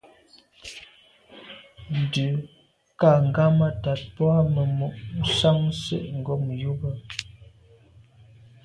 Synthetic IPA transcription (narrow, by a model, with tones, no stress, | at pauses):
n̩˨dʉ˨ | ka˦˨ŋ̩˨ɡa˦ma˦ta˨t̚pwa˦mə˨mu˨ʔn̩˦sa˦ŋsḛ˦˨ʔŋ̩˨ɡɔ˦m˨ju˦bə˦